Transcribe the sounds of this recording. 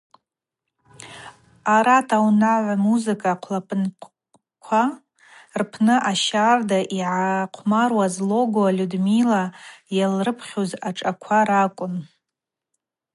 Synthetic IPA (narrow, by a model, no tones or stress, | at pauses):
aɾatʰawnaʕʷmuzɨkʼaqʷʰlapʰʼnʷʰ | kʷʰa | rpʰnɨʔaʃardaʔiʕaqʷʰmarwazlo̞ɡoalʲudmilajalrɨpʰχʲozaʈ͡ʂʼakʷʰaɾakʷʼʊn